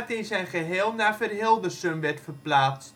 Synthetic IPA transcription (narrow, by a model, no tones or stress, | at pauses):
tɪnsɛjnχəɦɪːlˠnafərɦɪlˠdəsømʋɛtfərplaːt͡s